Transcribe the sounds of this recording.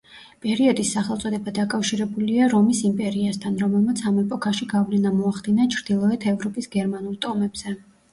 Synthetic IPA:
pʼɛɾiɔd̪isːaχɛlˠt̪sʼɔd̪ɛbad̪akʼafʃiɾɛbuliaɾɔmisimpʼɛɾiast̪ʰanɾɔmɛlˠmat̪sʰamɛpʼɔkʼaʃiɡavlɛnamɔaχd̪inat͡ʃʰɾd̪ilˠɔɛt̪ʰɛvɾɔpʼisɡɛɾmanulˠt̪ʼɔmɛbz̥ɛ

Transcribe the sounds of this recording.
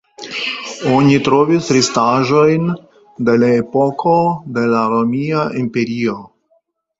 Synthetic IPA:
o̞nitɾovisɾistaʒo̞jn | de̞laepo̞kʰo̞de̞laɾomiaʔimpe̞ɾio

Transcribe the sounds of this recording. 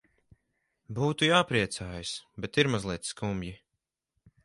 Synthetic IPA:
buːt̪ujaːpɾiɛt̪saːjasbɛt̪iɾmazlˠiɛt̪skumbʲji

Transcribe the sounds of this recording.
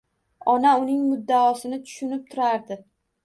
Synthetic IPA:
ɒnaʊnɪŋmʊd̪ːaɒsɪnɪt̪ʰʊ̥ʃʊnɪp̚t̪ʰʊɾaɾd̪ɪ

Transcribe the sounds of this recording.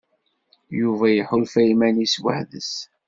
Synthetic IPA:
juvæjəħʊlfæjmæniswə̰ħðə̰s

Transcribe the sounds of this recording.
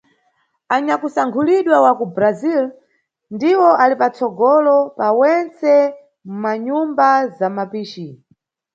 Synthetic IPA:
aɲakusaŋkʰuliɗwawakubɾazil | ndiwɔʔalipat͡sɔɡɔlɔpawɛnt͡sɛ | mumaɲumbazamapiːt͡ʃi

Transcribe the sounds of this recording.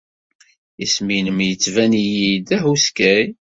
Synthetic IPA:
isminəmjət͡sːvænijid̪æhuskæj

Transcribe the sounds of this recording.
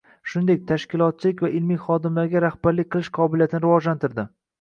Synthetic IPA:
ʃʊnd̪e̞k̚ʲt̪ʰaʃkʲɪlˠɒt̪̚t͡ʃʰɪlɪkʲvaɪlmijχɒd̪ɪmlaɾɡʲaɾahbaɾlɪk̚ʲqʰɨlˠɪʃqʰɒbɪlijat̪ʰɪnɪɾɪvɒd͡ʒlant̪ʰɪɾd̪ɪ

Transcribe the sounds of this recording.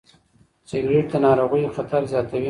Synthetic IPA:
sɪɡɾeʈ̚d̪anɑːɾoɣujoxat̪aɾzjɑːt̪awi

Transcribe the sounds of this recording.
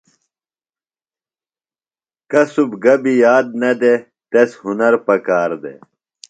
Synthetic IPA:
kɐsubɡɐbijaːd̪̚nɐd̪e | t̪eshunɐɾpɐkaːɾd̪ḛ

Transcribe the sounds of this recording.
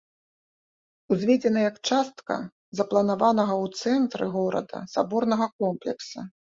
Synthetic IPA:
uzʲvʲed͡zʲɛnɐjɐkt͡ʂast̪kɐ̰ | zɐplˠɐnavanɐɣɐwt̪sɛnt̪ɾɨɣɔɾɐ̰d̪ɐ̰sabɔrnɐɣɐkɔmplʲɛksɐ

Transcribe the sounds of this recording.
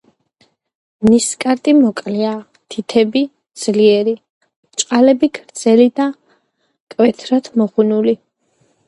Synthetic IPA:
mniskʼaɾt̪ʼimɔkʼlia | t̪ʰit̪ʰɛbi | d̪z̥liɛɾi | t͡ʃʼqʼalɛbikʰɾd̪z̥ɛlid̪a | kʼvɛt̪ʰɾat̪ʰmɔχunuli

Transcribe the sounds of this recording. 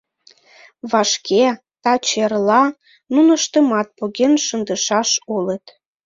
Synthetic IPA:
βɑʃkʰe | t̪ɑt͡ɕerlɑ | nunəʃt̪əmɑt̪̚poɣenʃənd̪əʃɑʃolət̪

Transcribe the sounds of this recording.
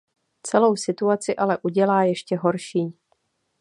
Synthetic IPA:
t͡sɛlo̞wsɪt̪uat͡sɪʔalɛʔuɟɛlaːjɛʃcɛɦo̞ɾʃiː

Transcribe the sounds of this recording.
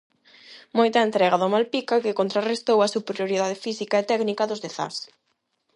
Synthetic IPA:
mojt̪aent̪ɾɛɣaðʊmalpikakɪkont̪ɾarest̪owɐsupeɾjoɾiðað̞ɪfisikaet̪ɛknikaðʊzðeθa̰s

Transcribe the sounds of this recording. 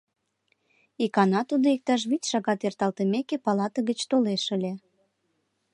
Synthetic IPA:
ikɑnɑt̪ud̪oik̚t̪ɑʃ̬βitʲʃɑɣɑt̪ert̪ɑlt̪əmekepɑlɑt̪əɣət͡ɕt̪oleʃəlʲe

